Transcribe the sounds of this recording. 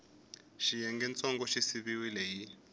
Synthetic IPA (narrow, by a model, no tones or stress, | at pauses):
ʃijɛŋɡɛnt͡sʼɔŋɡɔʃisiβiwilɛji